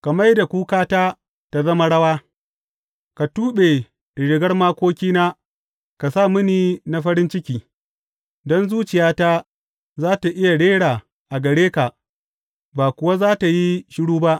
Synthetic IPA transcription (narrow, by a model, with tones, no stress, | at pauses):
ka˨ma˦jda˨kʷuː˦kaː˦taː˦ | ta˨zɐ˦ma˦ɽɐ˦waː˦ | ka˨tuː˦ɓe˨ | ɽɪ˨ɡɐ˦rmaː˦kʷoː˦kʲiː˦naː˦ | ka˨sa˦˨mɪ˦niː˨na˨˦ɸɐ˦ɽɪ˦nt͡ʃɪ˦kʲiː˨ | dɔ˦nzuː˦t͡ʃɪ˨jaː˦ta˦ | zaː˦ta˨ʔɪ˦ja˨ɽeː˦ɽaː˨ | ʔa˨ɡɐ˨ɽeː˦ka˨ | baː˨kʷʊ˨wa˦zaː˦ta˨ji˦ʃɪ˦ɽuː˦ba˦ʔ